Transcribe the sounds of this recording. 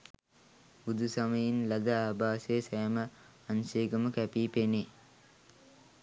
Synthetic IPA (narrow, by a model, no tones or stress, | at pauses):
ud̪usaməjinlad̪əaːbaːsejsajmə | anseːɡəməkæpiːpene